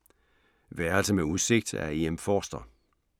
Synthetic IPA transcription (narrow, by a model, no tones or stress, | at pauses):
ʋæɐlsəmeuðˠse̝ɡ̥̚d̥æ̰eemfɒːsd̥ɐ